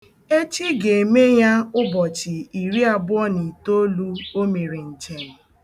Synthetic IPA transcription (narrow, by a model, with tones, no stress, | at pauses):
e˦t͡ʃi˦ɡe˨e˨me˦ja˦ʊ˦bɔ˨t͡ʃɪ˨i˨ɾi˦a˨bʊ˦ɔ˦ni˨to˦lu˦o˦me˨ɾe˨n̩˨t͡ʃe˨ɾɪ˨